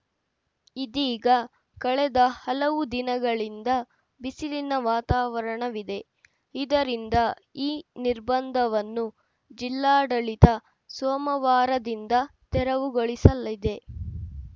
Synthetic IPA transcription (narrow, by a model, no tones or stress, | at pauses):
id̪iːɡɐ | kɐɭɛd̪ɐhɐlɐʋud̪inɐɡɐɭind̪ɐ | bisilinɐʋaːt̪aːʋɐɾɐɳɐʋid̪e̞ | id̪ɐɾind̪ɐ | iːniɾbɐnd̪ʱɐʋɐnːu | d͡ʒilːaːɖɐɭit̪ɐ | soːmɐʋaːɾɐd̪ind̪ɐt̪ɛɾɐʋuɡoɭisɐlid̪e̞